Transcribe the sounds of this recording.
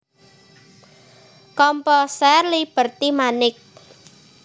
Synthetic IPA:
kɔmpɔsɛrlib̥ərt̪imanɪk̚

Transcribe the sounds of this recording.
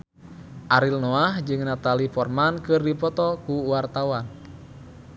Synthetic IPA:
ʔaɾilnɔahd͡ʒɨŋnat̪alifɔrmankɨrdipɔt̪ɔkuwart̪awan

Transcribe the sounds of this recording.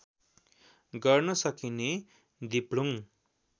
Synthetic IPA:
ɡʌrnʌsʌkine | d̪ipɽuŋ

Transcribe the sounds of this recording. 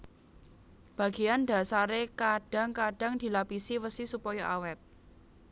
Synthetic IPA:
b̥ä̤ɡ̥ijand̪a̤saɾekaɖ̥a̤ŋkaɖ̥a̤ŋd̪̥i̤lapisiwəsisupɔjɔʔawɛt̪̚

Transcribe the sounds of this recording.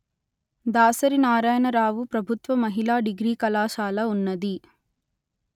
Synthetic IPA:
d̪aːsɐɾinaːɾaːjɐnɐɾaːʋupɾɐbʱut̪ʋɐmɐɦilaːɖiɡɾiːkɐlaːʃaːlɐunːɐd̪i

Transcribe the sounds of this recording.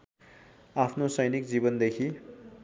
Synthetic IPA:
apʰnosʌjnikd͡zibʌnd̪ekʰi

